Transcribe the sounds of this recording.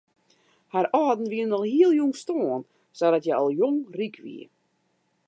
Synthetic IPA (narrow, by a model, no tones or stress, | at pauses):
harɔːdn̩ʋiənɔlˠhiəlˠjuŋstoən | sɔdɔtjɛɔlˠjoŋrikʰʋḭə